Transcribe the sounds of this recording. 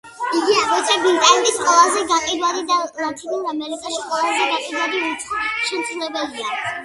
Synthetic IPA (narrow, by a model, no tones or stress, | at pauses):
iɡiabɔt̪sʰɛbit̪ʼanɛbisqʼwɛlˠazɛɡaqʼid̪wad̪id̪azat̪ʰid̪ilˠɾamɛlik̪ʼaʃiqʼwɛlˠazɛɡaqʼid̪wad̪iuʃɛmt̪sʰlɛbɛlia